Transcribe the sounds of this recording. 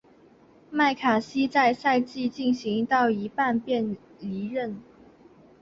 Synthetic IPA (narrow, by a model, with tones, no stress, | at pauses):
ma˥˩ɪkʰa˨˩ɕi˥t͡sa˥˧ɪsa˥˧ɪt͡ɕi˥˧t͡ɕi˥˩nɕi˧˥ŋt̪ɑ˥˩ʊi˧˥pa˥˧npjɛ˥˩n | li˧˥ɻə˥˩n